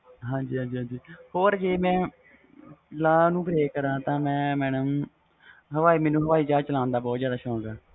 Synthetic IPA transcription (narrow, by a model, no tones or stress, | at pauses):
ɦãːd͡ʒiːɦãːd͡ʒiːɦãːd͡ʒiːhoːɾd͡ʒeːmɛ̃ː | laːnũːbɾeːkːəɾãːt̪ãːmɛ̃ːmɛːɳəm | ɦəʋaːiːmɛːnũːɦəʋaːiːd͡ʒaːt͡ʃəlãːnd̪aːbɔːt̪zjaːd̪aːʃɔ̃ːɡaː